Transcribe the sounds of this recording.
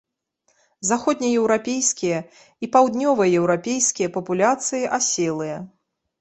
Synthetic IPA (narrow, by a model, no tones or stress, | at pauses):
zaxɔd̪ʲnʲɐjɛwɾapʲejskʲijɐ | ipawd̪nʲɔvɨjɐjɛwɾapʲejskʲijɐpɐpulʲat̪sɨjiʔasʲɛlˠɨjɐ